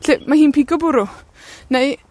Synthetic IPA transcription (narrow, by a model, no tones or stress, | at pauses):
ɬemahiːnpʰiɡɔbʊɾʊ | nej